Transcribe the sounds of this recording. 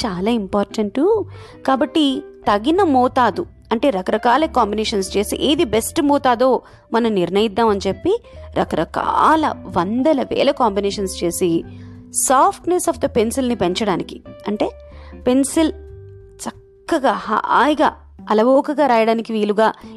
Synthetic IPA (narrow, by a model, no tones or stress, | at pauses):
t͡ʃaːlaːimpaːɾʈɐɳʈukaːbɐʈːit̪ɐɡinɐmɔːt̪aːd̪u | ɐɳʈe̞ːɾɐkɐɾɐkaːlɐkaːmbineːʂɐnst͡ʃe̞ːsḭʔeːd̪ibesʈmɔːt̪aːd̪o̞ː | mɐnɐmniɾnɐjid̪ːaːmɐnt͡ʃepːiɾʔɐkɐɾɐka̰ːlɐ̰ʋɐnd̪ɐlɐʋɛ̰ːlɐkaːmbineːʂɐnst͡ʃe̞ːsi | saːpʰʈnesɐːfd̪ɐpe̞nsilnipeɲt͡ʃɐɽaːniki̥ɐɳʈe̞ː | pe̞nsil | t͡ʃɐkːɐɡaːha̰ːjɐɡa̰ː | ɐlɐʋoːkɐɡaːɾaːjɐɽaːnikiʋiːluɡaː